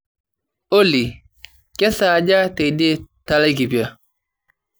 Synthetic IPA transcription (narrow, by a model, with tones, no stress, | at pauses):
o˦li˨ | kɛ˦sa˨d͡ʒa˦te˨de˦ta˦la˦i˦ki˨pi˨a˦˨